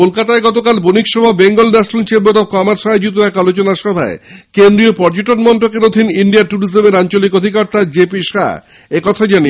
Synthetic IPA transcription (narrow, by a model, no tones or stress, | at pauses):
kolkat̪aeɡɔt̪okalbonikʃɔbʱabeŋɡolɖaʃlunt͡ɕeboɾɔkɔmaɾsʃɔad͡ʑut̪̬oɛkalot͡ɕonaʃɔbʱaekend̪ɾiopɔɾd͡ʑoʈonmɔɳʈokeɾod̪ʱiniɳɖiaɾʈuɾizomeɾant͡ɕolikod̪ʱikɔɾt̪ad͡ʑepiʃa̰ | ekɔt̪ʰad͡ʑani